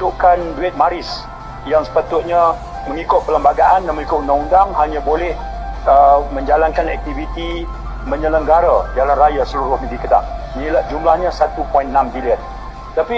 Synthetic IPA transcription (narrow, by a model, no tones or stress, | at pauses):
t̪uʔkanduɛt̪̚maɾɪs | jaŋsə̥pat̪ʊt̪̚ɲə̃ | mə̃ŋikʊt̪̚pələmbaɡaʔandaməŋikʊʔnaŋundaŋhaɲãbolɛh | əmə̃ɲd͡ʒalankanɛ̰k̚t̪ivit̪i | mə̃ɲələŋɡaɾad͡ʒalanrajasəluɾʊhmĩdikəda̰ʔ | nilaʔ̚d͡ʒumlahɲə̃sat̪upɔinːambiliən | t̪api